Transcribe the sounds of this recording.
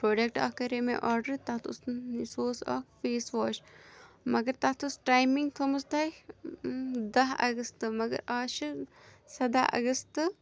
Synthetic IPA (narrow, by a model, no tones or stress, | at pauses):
pɾoːɖek̚ʈa̰ːkɐɾemḛ̃ʔɔːɾɖəɾt̪at̪ʰusnnisoːsa̰ːkfeːsʋaːʃ | mɐɡɐɾt̪at̪ʰusʈaːjmiŋɡk̪ʰɐmusd̪aː | d̪ɐɦɐ̰ɡɐst̪ɨmɐɡɐ̰ɾaːʃi | sɐd̪aːʔɐ̰ɡɐst̪ɨ